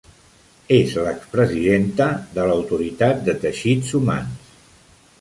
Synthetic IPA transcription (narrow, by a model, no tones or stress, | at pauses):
ezləkspɾəziðent̪əðələwt̪uɾit̪at̪̚d̪ət̪əʃid͡zuma̰ns